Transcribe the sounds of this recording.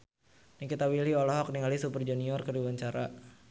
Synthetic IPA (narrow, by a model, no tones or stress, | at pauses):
nikit̪awiliɔlɔɦɔk̚niŋalisupərd͡ʒuniɔrkəɾiwaɲt͡ʃaɾa̰